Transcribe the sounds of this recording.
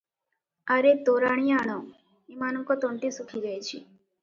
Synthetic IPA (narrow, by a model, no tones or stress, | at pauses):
aɾet̪oɾaɳ̃ijaɳo | imaːnɔŋkot̪õɳʈisukʰiɾəjt͡ʃʰi